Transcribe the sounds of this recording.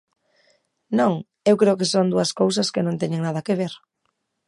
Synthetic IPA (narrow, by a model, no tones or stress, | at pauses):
nõŋ | ewkɾeʊkesond̪uɐskowsɐskenõnt̪eɲẽŋnað̞ɐkeβ̞eɾ